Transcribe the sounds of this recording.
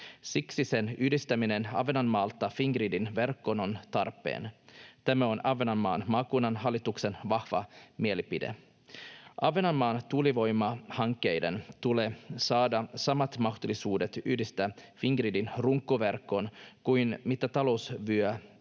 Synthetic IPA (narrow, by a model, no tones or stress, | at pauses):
siksisenyːdist̪æminenɑ̰ʋenɑnmɑːlt̪ːɑfiŋɡriːdinʋerkːonont̪ɑrpːḛːnt̪æmæonɑʋːenɑnmːɑ̰ːnmɑːkuːnɑnɦɑlːit̪uksenʋɑhʋɑ̰mielipidḛ | ʔɑʋenɑnmɑːnt̪uliʋo̞jmɑhɑŋkːejdent̪ulesɑːdɑsɑmɑt̪mɑxt̪ulisuːdet̪yːdist̪æfiŋɡɾiːdinruŋkːoʋerkːonkujnmit̪ːæt̪ɑlousʋyø